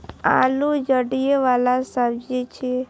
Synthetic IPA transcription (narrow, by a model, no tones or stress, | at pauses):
a̰lud͡ʒəɽijeʋalasabd͡ʒet͡ʃʰe